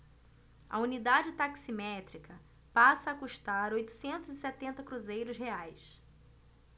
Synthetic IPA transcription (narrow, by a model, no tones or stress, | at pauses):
ɐ̰unid̪ad͡ʒɪt̪aksimɛt̪ɾikɐ | pasɐːkuʃt̪aɾojt̪ʊ̥sẽnt̪ʊzɪsɛt̪ẽnt̪ɐkɾuzejɾʊzheajs